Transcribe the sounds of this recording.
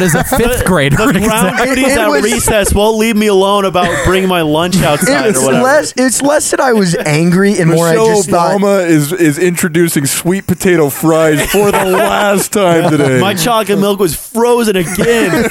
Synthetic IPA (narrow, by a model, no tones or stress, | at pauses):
ɾɨzðɨɪʌfθɡ̥ɹeɪɾbʌãʊ̃nɾiðɨtʌɹisɛswɛlˠlivmiəlõʊ̃nəbaʊt̚b̥ɹɪ̃ŋɪ̃ŋmaɪlʌ̃nt͡ʃaʊtʰə˞wʌlɛsɪtslɛsðɨ̃naɪwʌzæ̃ŋɡɹiɨ̃nwɔɹʃoʊd͡ʒʌbməɪzɪzɪ̃nt͡ʃɹ̥ɨdʉsɪ̃ŋswit̚pɨtʰeɪɾoʊfɹaɪz̥fə˞ðəlæstʰãɪ̃mtʰɨdeɪmaɪt͡ʃʰɑkɨ̃mɪlˠkwʌz̥fɹoʊzɨ̃nɨɡɛ̃n